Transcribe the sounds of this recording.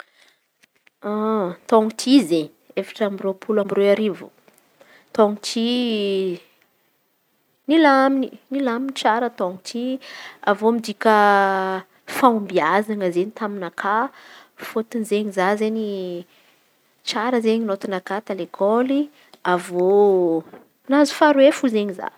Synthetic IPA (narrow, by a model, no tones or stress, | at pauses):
at̪oŋut̪ʰize | efḁʈ͡ʂamiropʰulambiroaɾivṵ | t̪oŋut̪ʰi | nilamininilaminit͡saɾət̪oŋut̪ʰiavomid̪ikʲə | faumbiazaŋəzenit̪aminakʰafot̪inzeɲizazeɲi | t͡saɾəzeɲinot̪inakat̪alekʰoli | avo | nazu̥faɾuefuzeɲiza̰